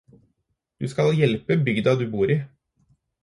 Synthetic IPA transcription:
d̪̥ʉːskɑljɛlpəbʏɡd̪ɑd̪ʉːbuːɾiː

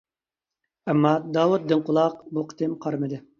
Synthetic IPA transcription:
ɛmːɑd̪ɑːwut̪̚d̪ɨŋqʊlˠɑq̚buqʰə̥t̪ʰɪmqʰɑɾmɨd̪ɨ

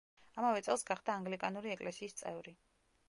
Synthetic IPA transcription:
amavɛt̪sʼɛlˠsɡaχd̪aːŋɡlikʼanuɾiɛkʼlɛsiːst̪sʼɛvɾi

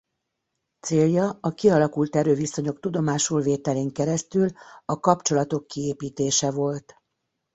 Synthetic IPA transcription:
t̪seːljɒɒkiɒlɒkult̪ɛɾøːviso̞ɲo̞kt̪ud̪o̞maːʃulveːt̪ɛleːŋkɛɾɛst̪ylɒkɒpt͡ʃo̞lɒt̪o̞kːieːpiːt̪eːʃɛvo̞lt̪

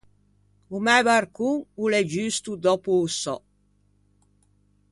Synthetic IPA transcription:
umɛvarkuŋulɛd͡ʒyst̪ud̪ɔpuːsɔ

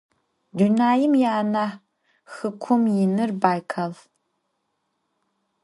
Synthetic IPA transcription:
dunaːjɪmjaːna | xɨkʷʰʊmjɪnɨrbaːjkʰal

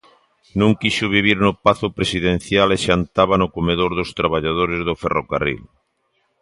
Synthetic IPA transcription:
nũŋkiʃʊβ̞iβ̞iɾnʊpaθʊpɾesiðẽn̟θjaleʃant̪aβanʊkomeðoɾðost̪ɾaβ̞aʎaðoɾezðoferoka̰rḭl

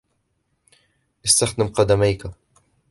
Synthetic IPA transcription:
ʔɪst̪axd̪ɪmqɑd̪amajka

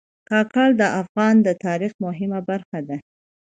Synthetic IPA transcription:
kɑkɑld̪əʔafɣɑnd̪ət̪ɑɾixmʊɦɪmabaɾxad̪a

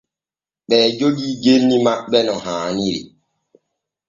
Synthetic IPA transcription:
ɓɛːd͡ʒoɡiːɡenːimaɓːɛnɔhaːniɾḭ

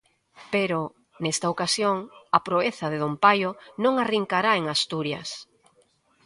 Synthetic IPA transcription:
peɾo | nest̪aokasjoŋapɾoeθɐðeðompajonõŋariŋkaɾaeŋast̪uɾjɐ̰s

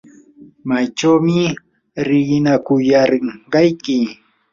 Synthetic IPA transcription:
majt͡ʃawmɪ | ɾɪɢɪnakʊjaɾɪɴɢɑjkɪ

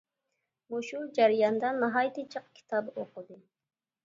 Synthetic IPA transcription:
muʃud͡ʒæɾijɑnd̪ɑnːɨɦɑjt̪ʰɨt͡ʃʰəq̚kʲʰi̥t̪ʰɑboqʊd̪ɨ

